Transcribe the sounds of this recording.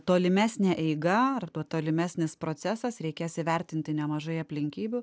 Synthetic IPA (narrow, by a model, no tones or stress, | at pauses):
t̪oːlʲɪmʲæːsʲnʲæːʔɛɪɡɐɐrt̪uɔt̪oːlʲɪmʲæːsʲnʲɪspɾoːsʲæsɐsɾʲɛɪkʲeːsɪʋʲɛɾʲt̪ʲɪnʲt̪ʲɪnʲɛmɐʒɐɪɐpʲlʲɪŋʲkʲiːbʲʊ